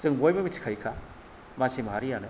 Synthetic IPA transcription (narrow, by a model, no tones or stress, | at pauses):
sɯŋbojmɐmisʰi̥kʰajkʰa | masimaɦaɾijanɯ